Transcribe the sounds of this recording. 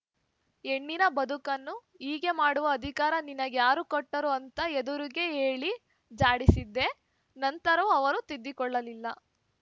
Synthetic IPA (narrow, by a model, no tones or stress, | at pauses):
eɳːinɐbɐd̪ʱukɐnːu | iːɡe̞maːɽuʋɐːd̪ʱikaːɾɐninɐɡjaːɾukoʈːɐɾuɐnt̪ɐed̪uɾiɡe̞ɦeːɭi | d͡ʒaːɽisid̪ːe̞ | nɐnt̪ɐɾɐʋuɐʋɐɾut̪id̪ːikɔɭːɐlilːɐ